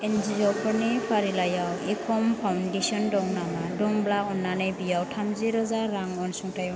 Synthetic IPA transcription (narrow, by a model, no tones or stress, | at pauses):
enzizɔpʰɔɾnipʰaɾilajawekʰɔmpʰawndesɔndɔŋnamadɔŋblakɔnːanɯjbijawtʰamziɾɯzaɾaŋɔnsuŋtʰajɔ